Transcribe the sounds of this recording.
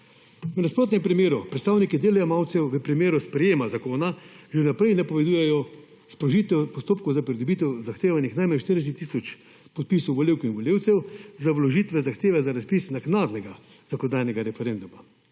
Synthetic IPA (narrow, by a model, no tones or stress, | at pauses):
ʋnaspɾoːt̪nʲɛmpɾimeːɾupɾɛt̪st̪aːwnikid̪eːlɛjamawt̪sɛwʋəpɾimeːɾuspɾɛjeːmazakoːnaʒenapɾɛjnɛpɔʋɛd̪uːjɛjɔ | spɾɔʒiːt̪ɛwpɔst̪oːp̚kɔwzapɾid̪ɔbit̪ɛwzaxt̪eːʋanixnajmanʃt̪əɾd̪ɛs̬ɛt̪ːisɔt͡ʃ | pɔt̪̚pisɔwʋɔlewkwinʋɔlʲjeːwt̪sɛwzawlɔʒiːt̪ʋɛzaxt̪eːʋɛzaɾaspisnaɡnaːd̪nɛɡa | z̥akɔnd̪aːjnɛɡaɾɛfɛɾend̪uma